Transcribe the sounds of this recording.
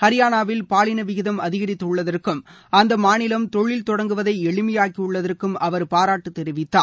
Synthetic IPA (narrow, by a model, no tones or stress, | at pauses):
hɐɾɪjaːnaːʋɪlpaːlɪnɐʋɪɣɪðɐmɐðɪɣɐɾɪt̪ːɯɭːɐðɐrkɯm | ɐnd̪ɐmaːnɪlɐmt̪ɔɭːɪlt̪ɔɽɐŋɡɯʋɐðɐɪɛɭɯmɪjaːkːiʊɭːɐðɐrkɯmɐʋɐɾpaːɾaːʈːɯt̪ːɛɾɪʋɪt̪ːaː